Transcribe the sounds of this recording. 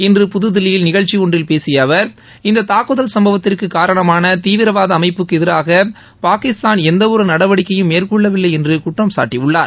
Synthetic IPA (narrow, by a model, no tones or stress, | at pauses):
ɛndrɯpʊðɯðɪlɪjɪlnɪɣɐɭt͡ʃːiɔɳdrɪlpeːsɪjɐʋɐɾ | ɪnd̪ɐt̪aːkɯðɐlsɐmbɐʋɐt̪ːɪrkɯkːaːɾɐɳɐmaːnɐt̪iːʋɪɾɐʋaːðɐːmɐɪpːɯkːɛðɪɾaːɣɐ | paːkɪst̪aːnɛnd̪ɐʋɔɾɯnɐɽɐʋɐɽɪkːɐjɯmːeːɾkɔɭːɐʋɪlːɐɪɛndrɯkʊʈrɐmsa̰ːʈːiʊɭːaːɾ